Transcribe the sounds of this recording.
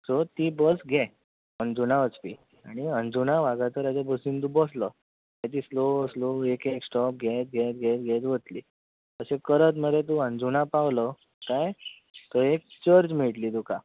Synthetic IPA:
sɔt̪ibəsɡʱe | ənd͡zunaʋət͡spi | aɽ̃iənd͡zunaʋaɡat̪əɾat͡ɕabəsiːnt̪ũbɔslə | ɛt̪isloəsloekeksʈɔp̚ɡʱet̪̚ɡʱet̪̚ɡʱẽt̪̚ɡʱet̪ʋət̪liː | əsekəɾət̪̬məd̪et̪̬uənd͡zunapaʋlə | kaj | t̪əɾekt͡ɕəɾd͡ʑmiʈliːd̪uka

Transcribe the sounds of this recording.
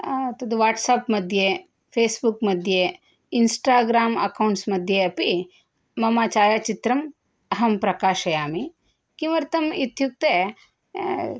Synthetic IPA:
t̪ɐd̪uʋaːʈsaːpmɐd̪ʱje | pʰeːsbukmɐd̪ʱje | insʈaːɡɾaːmɐ̰kɐwɳʈsmɐd̪ʱjeɐpiː | ɐmaːt͡ʃaːjat͡ʃit̪ɾɐm | ɐɦɐmpɾɐkaːʃɐjaːmi | kiʋɐɾt̪ɐmit̪juk̚t̪e

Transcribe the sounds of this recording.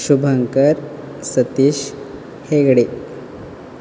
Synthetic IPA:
ɕubʱəŋkəɾ | sət̪iːɕ | heɡɽe

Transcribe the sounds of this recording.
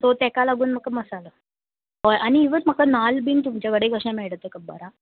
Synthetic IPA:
t̪ot̪ɛkalaɡuːnm̤əkːaməsaləː | ɦojaɽ̃iːʋəɾm̤əkanalbiːnt̪um̤t͡ɕjaʋəɽeɡʱəʂnameɭɽət̪ːekəbə̰ɾa

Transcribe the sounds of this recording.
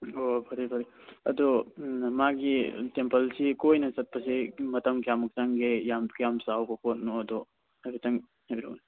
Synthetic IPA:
obʱɐɾibʱɐɾiɐdɔmaɡitempɐlsikojnɐt͡ʃɐt̚pɐsimɐtɐmkijamuk̚taŋɡejamkjamsawbɐpot̚nɔɐdɔ | abitɐŋ | habiɾo̰n

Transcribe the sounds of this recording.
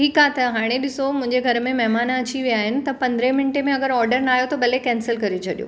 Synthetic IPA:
ʈʰiːkaːt̪ɐɦaːɽ̃eɗɪsomʊ̃ɦɪ̃ɲd͡ʑeɡʱɐɾmẽmɛɦmaːnaɐt͡ɕiʋijaːɦɪnɪ̆t̪ɐpɐ̃nd̪ɾẽmɪnʈemẽɐɡəɾɔːɾɖəɾnaːɦjot̪oɓɐlekɛ̃ːnsəlkɐɾet͡ɕʰɐɗijo̰ː

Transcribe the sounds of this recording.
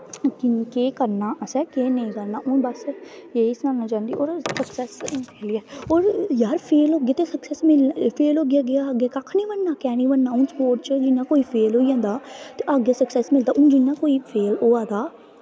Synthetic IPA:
kɪnkeːkəɾnaːʔəsɛkeːnəĩːkəɾnaːʔʊ̃nbəsjeːɪsnaːnaːt͡ʃãːnd̪iːoːɾsəksɛːspeːliɛːoːɾjaɾpʰeːlɦoːɡejaːt̪eːsəksɛːsmɪlpʰeːlɦoːɡɪjaːɡejaːɡeːkakʰniːbənːaːkɛːniːbənːaːʊnspoːɾʈt͡ʃəd͡ʒɪnːaːkoːiːpʰeːlɦoːijãːnd̪aːt̪eːʔaɡeːsəksɛːsmɪld̪aːʔʊ̃nd͡ʒɪnːaːkoːiːpʰeːloːaːd̪aː

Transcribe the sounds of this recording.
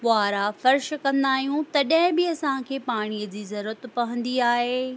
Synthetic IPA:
ʋʊaːɾafɐɾʃkɐ̃nd̪aːɦijũt̪ɐɗɐɦɪ̃bɪɐsãkʰeːpaːɽ̃ijəd͡ʑiːzɐɾuət̪pɐʋə̃nd̪iaːɦeː

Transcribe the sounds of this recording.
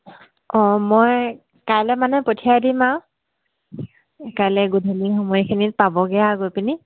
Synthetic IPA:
ɔmɔj | kajlɛmanɛpotʰiadimaw | kajlɛɡudʱenixɔmɔjikʰinit̚pabɔɡɛjaɡojpini

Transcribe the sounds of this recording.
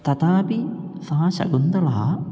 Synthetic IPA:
t̪ɐt̪aːpisãːɕɐ̰ɡund̪ɐlɐɦɐ̰

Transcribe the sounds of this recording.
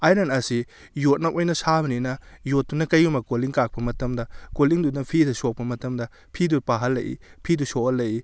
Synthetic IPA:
ajɾanɐsi | jot̚nɐʔojnɐsabɐninɐjotːunɐkɐjumɐkoliŋkak̚pɐmɐtɐmdɐkoliŋdudɐpʰidɐsok̚pɐmɐtɐmdɐ | pʰidupaɦɐlːɐ̰jḭpʰidusoɐlːɐji

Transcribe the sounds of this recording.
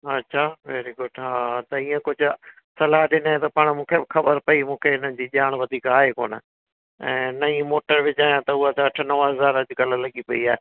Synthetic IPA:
ɐtːʃʰaːʋɛːɾiɡʊɖɦãːt̪ɐiːẽkʊd͡ʑʱʊ | sɐlaːɗɪnẽt̪ɐpaɽ̃mũːkʰebɪxʰɐbəɾpɐimũːkʰeɪnəd͡ʑiːʄaːɽ̃ʋɐd̪ʱiːkaːɦeko̰ːnə̰ | ɛ̰̃ːnɐĩmoːʈəɾʋɪd͡ʑaːjãt̪ɐʊɦat̪ɐʈʰnɐʋəɦɐzaːɾɐd͡ʑɡɐllɐɠipɐiaːɦe

